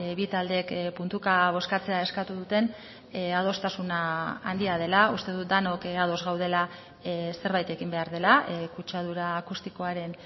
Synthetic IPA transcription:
βit̪ald̪ekpunt̪ukaβ̞o̞skat͡se̞ae̞skat̪uðut̪e̞n | að̞o̞st̪asuna̰ːnd̪iað̞e̞laust̪e̞ðut̪̚d̪ano̞kað̞o̞zɣawð̞e̞la | se̞ɾβajt̪e̞kimbe̞aɾð̞e̞lakut͡ʃað̞uɾaːkust̪iko̞aɾe̞n

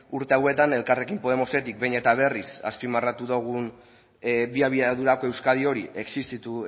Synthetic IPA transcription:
uɾt̪e̞awe̞t̪ane̞lkare̞kimpo̞e̞mo̞se̞t̪ik̚be̞jne̞t̪aβ̞e̞risa̰spimarat̪uðoɣ̞un | biaβiaðuɾako̞e̞wskað̞io̞ɾiʔe̞ksist̪it̪u

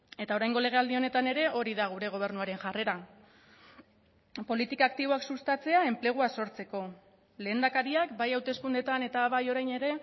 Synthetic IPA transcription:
e̞t̪ao̞ɾajŋɡo̞le̞ɣ̞e̞ald̪io̞ne̞t̪ane̞ɾe̞ʔo̞ɾiðaɣ̞uɾe̞ɣ̞o̞β̞e̞ɾnuaɾe̞nʝare̞ɾa | po̞lit̪ikaːkt̪iβo̞aksust̪at͡se̞ae̞mple̞ɣ̞uaso̞ɾt͡se̞ko̞ | le̞ːnd̪akaɾiakbajawt̪e̞skund̪e̞t̪ane̞t̪aβajo̞ɾajne̞ɾe̞

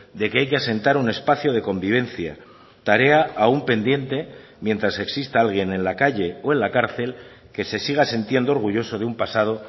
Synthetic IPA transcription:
d̪e̞ke̞ajkease̞nt̪aɾune̞spaθjo̞ð̞e̞ko̞mbiβ̞e̞nθja̰ | t̪aɾe̞aʔaumpe̞nd̪je̞nt̪e̞ | mje̞nt̪ɾase̞ksist̪aalɣ̞je̞nẽ̞nlakaʎe̞oe̞nlakaɾθe̞l | ke̞se̞siɣ̞asent̪je̞nd̪o̞ɾɣuʝo̞so̞ð̞eumpasað̞o̞

